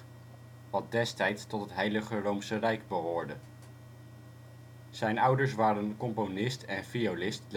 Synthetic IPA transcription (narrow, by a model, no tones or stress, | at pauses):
ʋɑt̚dɛstɛjtstɔtɦətɦejləχərowmsərɛjɡbəɦʊːɹdə | z̥ɛjnʌwdəɹs̬ʋaːɾənkɔmponɪstɛnfijolɪstl